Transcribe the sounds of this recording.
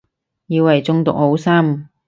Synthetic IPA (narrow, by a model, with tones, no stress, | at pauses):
jiː˧wːɐ˨jt͡sʊ˧ŋt̪ʊ̰˨k̚ho˨˥wsaː˥m